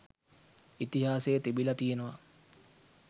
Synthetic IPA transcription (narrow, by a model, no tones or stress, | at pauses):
it̪iɦaːsejːt̪ibilɐt̪ijenəʋɐ